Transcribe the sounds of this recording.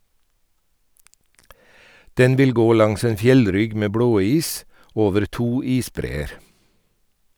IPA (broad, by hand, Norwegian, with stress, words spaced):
ˈdɛn ˈʋɪl ˈɡoː ˈlɑŋs ˈeːn ˈfjɛlˌɾʏɡ ˈmeː ˈbɽoːˌiːs ˈoːʋəɾ ˈtuː ˈiːsˌbɾeːəɾ